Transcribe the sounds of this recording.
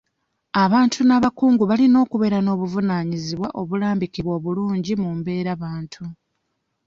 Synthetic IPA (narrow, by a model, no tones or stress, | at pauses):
aβaːntʰunaβakuːŋɡuβalino̞ːkuβe̞ɾano̞ːβuvunaːɲiziβwaʔo̞βulaːmbikiβwo̞ːβuluːɲɟimumbe̞ːɾaβaːntʰu